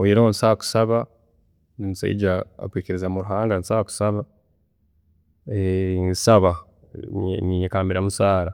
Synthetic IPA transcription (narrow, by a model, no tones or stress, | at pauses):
ojeɾeonisaku̥saβa | ninisa̰ḭɟaa̰kwiːceɾezamuɾuɦaːŋɡanisaku̥saβa | ensaβa | niɲekaːmbiɾamusaːɾa